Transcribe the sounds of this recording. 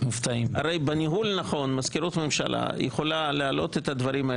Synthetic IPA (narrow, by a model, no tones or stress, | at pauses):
muft̪aima̰ɾejbeniɦulnaχo̞nmazkeɾut̪me̞mʃa̰lʔa̰jeχolalealo̞t̪et̪ad̪vɐɾimae